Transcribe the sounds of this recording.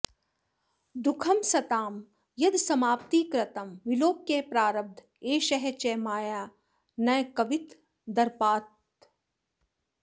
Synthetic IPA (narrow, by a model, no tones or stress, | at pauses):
d̪ukʰɐmsɐt̪aːm | jɐd̪sɐmaːp̚t̪iːkɾɐt̪ɐmʋiloːkːeːpɾaːɾɐb̚d̪ʱ | eːʃɐɦet͡ʃɛːmaːjaː | nɐjkɐʋit̪ | d̪ɐɾpaːt̪